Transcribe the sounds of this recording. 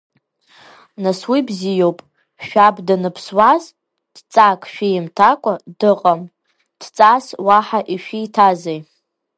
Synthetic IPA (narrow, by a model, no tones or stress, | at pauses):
naswibzijowpʼ | ʃᶣabdanɨpʰswaz | d̥t͡sʼakʼʃᶣijɪmtʰakʷʼadɨqʼam | d̥t͡sʼaswaħaʔiʃᶣiːtʰazej